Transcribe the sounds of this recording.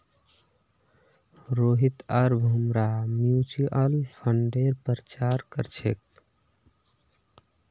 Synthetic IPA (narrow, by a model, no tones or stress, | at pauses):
ɾoɦit̪əɾbʱumɾamjut͡ʃiʔəlpʰəɳɖeɾpəɾət͡ʃaɾkəɾt͡ʃʰek̚